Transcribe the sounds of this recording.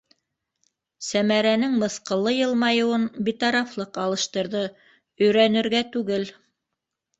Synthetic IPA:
sæmæɾænɘŋmɤ̆θqɤ̆lˠːɤjɤ̆lˠmɑjɤ̆wɤnbit̪ɑɾɑflˠɤqɑlˠɤ̆ʃt̪ɤ̆ɾðɤ | ɵ̆jɾænɘ̆ɾɡæt̪ʉɡɘl

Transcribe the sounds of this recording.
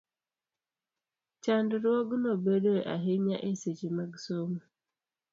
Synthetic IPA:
t͡ʃandʊɾuoɡʊnobedeʔa̰ɦeɲaʔeset͡ʃimaɡsomu

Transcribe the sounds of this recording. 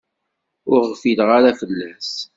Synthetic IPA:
ʊɾʁfilʁaɾafəlːæs

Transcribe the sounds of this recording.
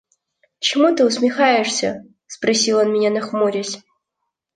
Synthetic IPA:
t͡ɕɪmut̪ɨʊsmʲɪxajɪʂsʲə | spɾɐsʲilˠonmʲɪnʲanɐxmuɾʲɪsʲ

